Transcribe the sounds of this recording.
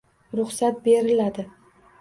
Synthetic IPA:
ɾʊχsat̪̚be̞ɾɪlad̪ɪ

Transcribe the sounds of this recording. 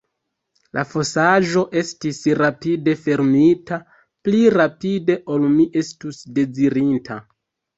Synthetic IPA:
lʔa̰fo̞saʒo̞ʔe̞stisɾapide̞fe̞ɾmita | pliɾapide̞ʔo̞lmiʔe̞stusde̞ziɾintʰa

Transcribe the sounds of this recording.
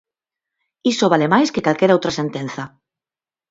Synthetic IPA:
isoβ̞alemajskekalkeɾowt̪ɾasẽnt̪ẽn̟θa

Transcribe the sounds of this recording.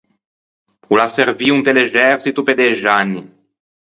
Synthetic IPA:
ulaseɾviunt̪eleʒɛɾsit̪uped̪eʒanːi

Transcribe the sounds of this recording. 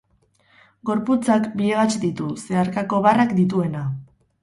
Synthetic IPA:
ɡo̞ɾput͡sakbieɣat͡ʃid̪it̪use̞aɾkako̞βarakd̪it̪̬ue̞na

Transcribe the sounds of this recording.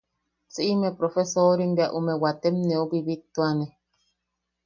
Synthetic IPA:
t͡sɨʔimẽpɾofesoɾimbeaʔumẽwat̪emnẽobiβit̪ːuane

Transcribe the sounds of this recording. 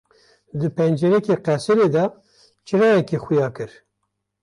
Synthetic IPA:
d̪ɨpɛnd͡ʒɛɾɛkeːqɛsɨɾeːd̪ɑ | t͡ʃʰɨɾɑːjɛkeːxʊjɑːkɨɾ

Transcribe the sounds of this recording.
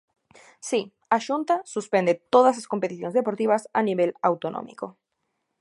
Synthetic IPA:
si | aʃunt̪asuspe̞nd̪et̪o̞ðaslasko̞mpet̪iθjo̞nezðepo̞ɾt̪iβasaniβe̞lawt̪onʔõ̰mḭko̞

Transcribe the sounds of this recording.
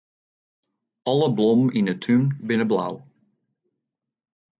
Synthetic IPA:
ɑlˠəblɔmɪnətʰynbɪnəbla̰w

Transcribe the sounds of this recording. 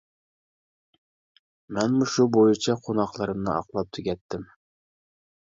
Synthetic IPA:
mɛnmuʃubojɪt͡ʃʰɑqʰonɑqlˠɑɾɨmnɨʔɑ̰qlˠɑp̚t̪ʰyɡʲɛt̪ːɪm

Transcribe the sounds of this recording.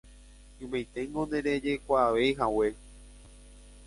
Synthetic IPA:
ũmejt̪e̞ŋɡõnd̪ẽɾe̞d͡ʒe̞kʷaʋe̞jɦawe̞

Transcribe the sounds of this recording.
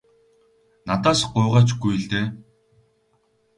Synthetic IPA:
nat̪aːsɢʊːʁaːt͡ɕɡujɮt̪eː

